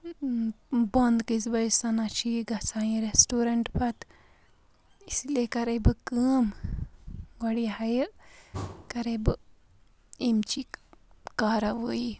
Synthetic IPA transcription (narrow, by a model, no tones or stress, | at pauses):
bond̪kizbɐjsɐnat͡ʃʰiɡɐsaːjĩɾesʈoːɾɐɳʈpɐt̪ | islekɐɾɐjbɨkəːm | ʋɐɽiɦɐjə | kɐɾɐjbɨ | imt͡ʃikaːɾɐʋoji